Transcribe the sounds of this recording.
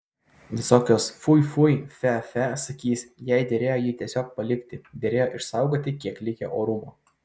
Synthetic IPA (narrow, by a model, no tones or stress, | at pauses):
ʋʲɪsoːkʲoːsfʊɪfʊjfʲɛfʲɛsɐkʲiːsjɛɪd̪ʲɛɾʲeːjoːjiːt̪ʲiɛsʲoːk̚pɐlʲɪkʲt̪ʲɪd̪ʲɛɾʲeːjoːʔɪʃsɑˑʊɡoːt̪ʲɪkʲiɛklʲɪkʲɛʔoːɾʊmoː